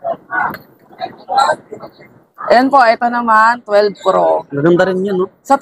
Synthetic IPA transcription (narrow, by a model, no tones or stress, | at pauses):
ʔjonpo̞ʔɛt̪o̞nɐmant̪wɛlbpɾoŋɐɡɐnd̪ɐɾɪnɲanosɐ